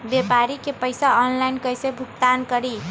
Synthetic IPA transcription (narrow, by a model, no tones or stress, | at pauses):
bepaɾikepəjsaɔnlajnkəjsebʱukt̪ankəɾi